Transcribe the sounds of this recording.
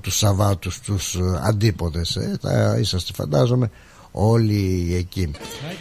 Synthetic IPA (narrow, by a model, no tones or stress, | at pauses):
t̪usɐvɐt̪ust̪usɐ̰nd̪ipo̞nd̪e̞sḛtɐ̰isɐst̪efɐ̰nd̪ɐzo̞me̞ | o̞lieci